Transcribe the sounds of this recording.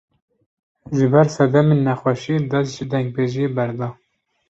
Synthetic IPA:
ʒɨbæɾsɛd̪ɛmenːæxʷɛʃid̪æsʒɨd̪ɛŋɡ̚beːʒijebæɾd̪ɑː

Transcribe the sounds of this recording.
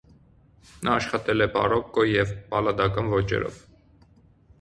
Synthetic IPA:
nʔɑːʃχɑt̪ɛlɛpɑ̰rɔkːɔjɛvpɑlɑd̪ɑkɑnvɔt͡ʃɛ̰ɾɔ̰v

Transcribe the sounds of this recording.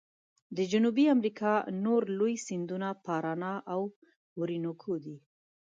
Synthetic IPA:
d̪əd͡ʒʊnubiamɾikʰɑnoɾlojsind̪unapɑɾɑnɑʔaw | uɾinokʰod̪i

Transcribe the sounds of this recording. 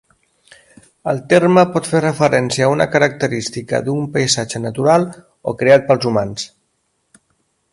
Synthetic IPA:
əlˠt̪eɾməpɔt̪ferəfəɾɛnsiəːunə̰kəɾək̚t̪əɾist̪ikə̰d̪umpəjzad͡ʒənət̪uɾalˠ | o̰kɾeat̪̚pəlˠzumans

